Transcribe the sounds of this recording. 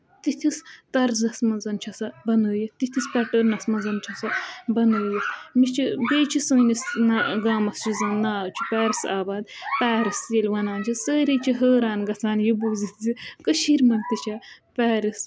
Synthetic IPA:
t̪it̪ʰist̪ɐɾzɐsmɐzɐnt͡ʃʰɐsɐbɐnɨːjit̪it̪ʰispɛʈəɾnɐsmɐzɐnt͡ʃʰɐsɐbɐnɨːjimit͡ʃʰibeːt͡ʃʰisɨːnisnaɡaːmɐst͡ʃʰizɐnaːt͡ʃʰu̥pɛːɾisa̰ːbaːd̪pɛːɾiselʲʋɐnaːnd͡ʒisəːɾit͡ʃʰiɦəːɾaːnɡɐt͡sʰaːnjibuːzit̪zikəʃiːɾmɐnʲt̪it͡ʃʰa | pɛːɾis

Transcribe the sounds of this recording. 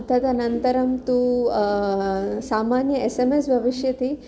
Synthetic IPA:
t̪ɐd̪ɐnɐnt̪ɐɾɐmt̪u | saːmaːnjɐesemesbʱɐʋiʃjɐt̪i

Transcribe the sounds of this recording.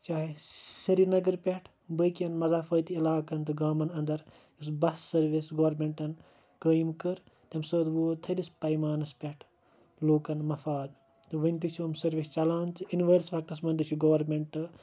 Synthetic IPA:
t͡ʃaːɦisɐɾinɐɡɐɾpʲɐʈʰ | bəkiɐnmɐzaːfɐːt̪iilaːkɐnt̪ɨɡaːmɐnɐnd̪ɐɾ | usbɐsːɐɾʋisɡɐʋɾmeɳʈɐn | kəːjmkɨɾ | t̪ɐmsəːt̪ʋoːt̪ʰɐlispɐjmaːnɐspʲɐʈʰ | loːkɐnmɐfaːd̪ | t̪ɨʋɐnʲt̪it͡ʃʰuːmsɐɾʋist͡ʃɐlaːnt̪ɨinʋəːɾsʋɐk̚t̪ɐsmɐnd̪ɨt͡ʃʰuɡɐʋɐɾmʲeɳʈɨ

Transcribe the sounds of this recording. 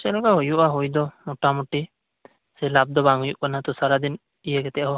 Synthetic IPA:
t͡ʃɛlkaɦojuʔaɦujd̪ɔmɔʈamuʈi | sɛlab̚d̪ɔbaŋujuʔkanat̪ɔsaɾad̪in | ijɛɡɛt̪ɛʔɦɔ

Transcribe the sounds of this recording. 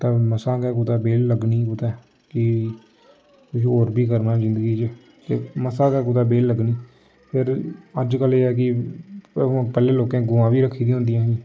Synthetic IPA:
t̪ãːməsaːkɛːk̬ʊt̪aːbeːlːəɡniːkʊt̪ɛː | kɪ | kʊʃoːɾbʱiːkəɾnaːzɪ̃nd̪əɡiːt͡ʃ | t̪ḛməsãːkɛːk̬ʊt̪aːbeːlːəɡniː | pʰɪɾəd͡ʒkəleːɛːk̬ɪ̃ | pɛːleːloːkẽːɡʊãːʋiːɾəkʰːiːd̪ĩːɦʊ̃nd̪ijãːɦiː

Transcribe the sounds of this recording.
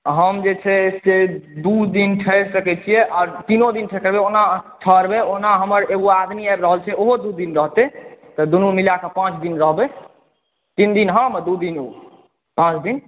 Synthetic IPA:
ɦəmd͡ʒet͡ʃʰɛsed̪ud̪inʈʰəɾsəkɛt͡ʃʰijɛʔaːɾt̪inod̪inʈʰɛkəɾbeoɦnaʈʰəɾbeoɦnaɦəməɾeɡoad̪miabɾəɦəlt͡ʃʰɛoɦod̪ud̪inɾəɦt̪et̪ɔd̪unumilakəpãt͡ʃʰd̪inɾəɦbɛ | t̪ind̪inɦãmd̪ud̪inu | pãt͡ʃʰd̪in

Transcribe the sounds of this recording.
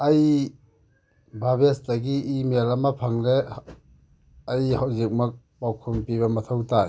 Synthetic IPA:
ɐj | bʱabestɐɡiimelɐmɐpʰaŋɾe | ɐjhawzik̚mɐk̚ | pawkʰumpiβɐmɐtʰɐwtaj

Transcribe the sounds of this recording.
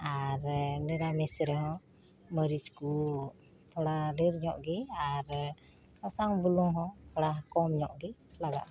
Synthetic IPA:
aɾniɾamɛsɾɛɦɔ̃ | məɾisku | t̪ʰɔɽadiɾɲɔʔɡɛaɾ | sasaŋbulɔŋɦɔ̃t̪ʰɔɽakɔmɲɔʔɡɛlaɡa̰ʔ

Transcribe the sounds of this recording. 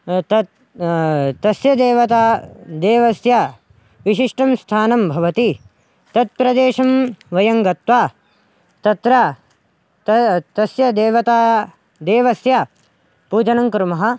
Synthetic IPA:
t̪ɐ | t̪ɐsjɐd̪eːʋɐt̪aːd̪eːʋɐsja | ʋiʃiʂʈɐmst̪ʰaːnɐmbʱɐʋɐt̪i | t̪ɐt̪̚pɾɐd̪eːʃɐmʋɐjɐŋɡɐt̪ʋaː | t̪ɐt̪ɾɐ | t̪ɐsjɐd̪eːʋɐt̪aː | d̪eːʋɐsja | puːd͡ʒɐnɐŋkɾumɐɦɐ̆

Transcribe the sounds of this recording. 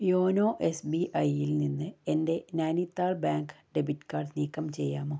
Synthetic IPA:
joːno̞ːʔe̞sbiʔɐjilninːɨe̞nde̞naːnit̪ːaːɭbaːŋkɨ̥ɖebitːkaːrɖniːkːɐmt͡ɕe̞jːaːmoː

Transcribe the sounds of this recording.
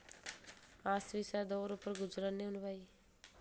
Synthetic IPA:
aːsʋisad̪ɔːɾʊpəɾɡʊd͡ʒɾaːneʊnʋaːi

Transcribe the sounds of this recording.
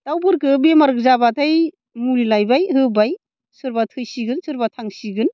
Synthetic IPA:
tawbɯɾkɯbemaɾɯk̚zabataj | muɾilajbajɦɯbaj | sɯɾbatʰɯjsiɡɯnsɯɾbatʰaŋsiɡɯn

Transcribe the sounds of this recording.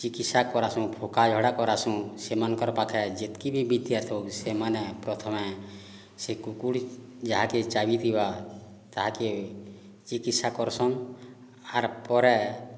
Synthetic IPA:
t͡ʃikit̪sakɔɾasũpʰokad͡ʒʱɔɽakɔɾasũsemankɔɾpakʰɛd͡ʒet̪kibʱibid̪jat̪ʰɔwsemanɛpɾɔt̪ʰɔmɛ | sekukuɽd͡ʒaɦaket͡ʃabit̪iba | t̪aɦake | t͡ʃikit̪sakɔɾsɔn | aɾpɔɾɛ

